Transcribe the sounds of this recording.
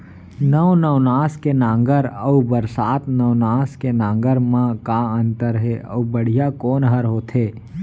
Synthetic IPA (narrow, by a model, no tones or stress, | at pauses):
nəwnəʊnaːskenãːŋɡəɾəubəɾsaːt̪nəwnaːskenãːŋɡəɾmãkaːə̃nt̪əɾɦeə̰ːbəɽ̤ijakoːnɦəɾɦoːt̪ɦeː